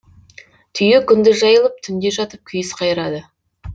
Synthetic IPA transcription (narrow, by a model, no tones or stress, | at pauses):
t̪ʰʏjekʲʰʏnd̪ɪʒɑjəlˠəp̚t̪ʰʏnd̪e̞ʒɑt̪əp̚kʲʰʏjɪsqʰɑjəɾɑd̪ə